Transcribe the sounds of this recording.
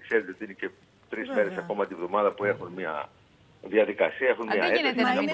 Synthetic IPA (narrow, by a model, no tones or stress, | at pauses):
kseɾet̪eo̞t̪iinece̞ | t̪ɾizme̞ɾe̞sɐko̞mɐt̪ivðo̞mɐðɐpue̞xunmiɐ̰ | ðiɐðikɐsiɐe̞xunmɲɐ̰eɐsienɐ